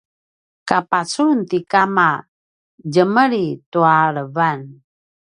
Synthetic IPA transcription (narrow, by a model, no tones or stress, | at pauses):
kapat͡sunt̪ikama | d͡ʑəməɾituaɭəvan